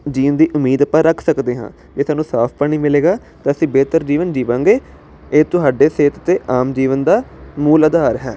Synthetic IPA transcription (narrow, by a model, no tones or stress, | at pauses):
d͡ʒiːnd̪iːʔʊmiːd̪əpãːɾəkʰsəkd̪eːɦã̰ː | kiːsaːnũːsaːpʰpəɳiːmɪleːɡaː | t̪ãːəsĩːbeːt̪əɾd͡ʒiːʋənd͡ʒiːʋãːŋɡeː | eːt̪ʊɦaːɖeːseːt̪t̪eːʔaːmd͡ʒiːʋənd̪aːmuːləd̪aːɾɦɛː